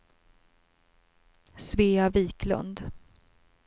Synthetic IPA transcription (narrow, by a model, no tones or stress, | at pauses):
sveːaviːklɵ̰nd̪